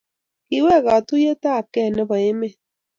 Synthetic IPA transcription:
i˨wɛ˦˨ɣa˨tu˦je˦ta˦˨kɛ˦˨nɛ˦βa˨e˦me˦˨

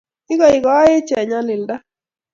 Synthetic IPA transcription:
ɪ˦ɡɔ˨ɪ˨ɡɔ˦a˦ɪ˦t͡ʃɛ˨ɲa˦nɪ˨lda˦

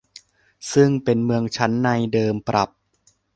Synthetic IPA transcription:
sɯ˥˩ŋpe˧nmɯ˧əŋt͡ɕʰa˦˥nːa˧jdɤː˧mpɾa˨˩p̚

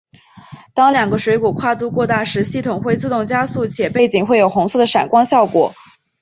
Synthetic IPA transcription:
t̪ɑ˥ŋljɑ˨˩ŋɡə˦ʂwe˧˥ɪku˨˩kʰwa˥˧t̪u˥˧kwɔ˥˧t̪a˥˩ʂɻ̩˧˥ɕi˥˩t̪ʰʊ˨˩ŋxwe˥˧ɪt͡sɹ̩˥˧t̪ʊ˥˩ŋt͡ɕja˥su˥˩t͡ɕʰjɛ˨˩pe˥˩ɪt͡ɕi˨˩ŋxwe˥˩ɪjo˨˩ʊxʊ˧˥ŋsɤ˥˩d̪ə˩ʂa̰˨˩nkwɑ˥ŋɕjɑ˥˩ʊkwɔ̰˨˩˦

